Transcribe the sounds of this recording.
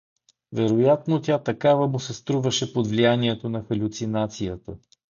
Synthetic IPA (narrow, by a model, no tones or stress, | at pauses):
vɛɾojat̪not̪ʲat̪ɐkavɐmosɛst̪ɾuvəʃɛpod̪vlijaniɛt̪onɐxɐlʲʊt̪sinat̪sijət̪ə